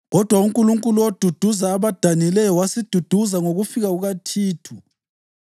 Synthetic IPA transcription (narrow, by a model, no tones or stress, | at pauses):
ɣɔd̥ʱwauŋkʼuluŋkʼuluod̥ʱud̥ʱuzaːβad̥ʱanilɛjɔwasid̥ʱud̥ʱuzaŋoɣufiɣauɣatʰiːtʰu